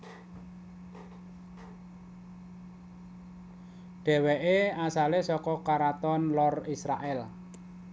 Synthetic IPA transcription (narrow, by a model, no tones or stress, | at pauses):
ɖ̥ɛ̤wɛʔeasalesɔkɔkaɾat̪ɔnlɔrisɾa̰ʔɛl